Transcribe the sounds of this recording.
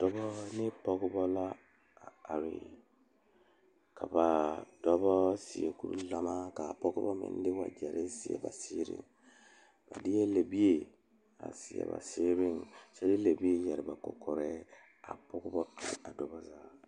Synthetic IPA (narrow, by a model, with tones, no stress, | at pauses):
d̥ɔ˦bɔ˦nɪ˦pɔ˦ɡʊ˦bɔ˦la˦ | a˨a˨ɾɪ̰˨ | kʰa˨ba˨d̥ɔ˦bɔ˦sɪ˨ɛ˨ku˦ɾṵ˦la˨ma˦ka˨pɔ˦ɡʊ˦bɔ˦mɪ̰̃˨˦n˦dɪ˦wa˨d͡ʒɛ˨ɾʔɪ˦sɪ˨ɛ̰˨ba˨siɪː˦ɾɪ̰˦˨ŋ | ba˨dɪ˦jɛ˦le˨bi˦e˨ | a̰˨sɪ˨ɛ̰˨ba̰˨sɪ˦ɾɪ˦ŋsɛ˦dɪ˦le˨bi˦e˦jɛ˨ɾɪ˨ba˨kɔ̰˨kɔ˨ɾɛ˦ | a̰˨pɔ˦ɡʊ˦bɔ˦pi˨la˨dɔ˨ba˦za˦